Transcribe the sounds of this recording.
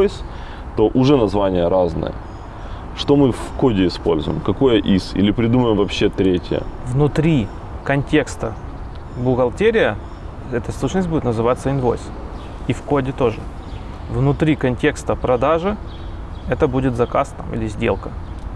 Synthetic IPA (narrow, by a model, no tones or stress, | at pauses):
sʲ | t̪o̞ʔʊʐɛnɐzvanʲɪjəɾaznɨ̰jə̰ | ʂt̪o̞mɨfko̞dʲɪɪspo̞lʲzʊ̰jɪmkɐko̞jəʔisḭlʲɪpɾʲɪd̪uməjɪmvɐpɕːe̞t̪ɾʲetʲɪ̰jə̰vnʊt̪ɾʲi | kɐnʲtʲe̞kst̪ə | bʊɣɐlˠtʲeɾʲɪjə | ɛt̪əsˠut͡ɕnəsʲbudʲɪt̪nəzɨvat̪sːəɪnvo̞̰js | ifkodʲɪt̪o̞ʐɨ | vnʊt̪ɾʲikɐnʲtʲe̞kst̪əpɾɐd̪aʐɨ | ɛt̪əbudʲɪt̪zɐkast̪a̰mʔḭlʲɪzʲdʲe̞lˠkə